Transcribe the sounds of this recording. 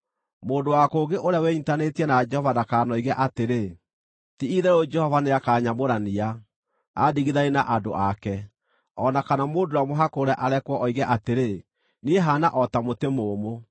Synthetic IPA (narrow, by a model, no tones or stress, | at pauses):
moːdowakoːɡeʔoɾjawɛɲitanetiɛnad͡ʒɛhɔvanakaːnɔiɣɛʔateɾe | tiiðɛɾod͡ʒɛhɔvaneakaːɲamoɾania | a̰diɣiðainaʔado̰ʔakɛ | ɔnakanamoːndoamoɦakoɾɛʔaɾɛkwɔʔɔiɣɛʔateɾe | nieɦanaʔɔtamotemoːmo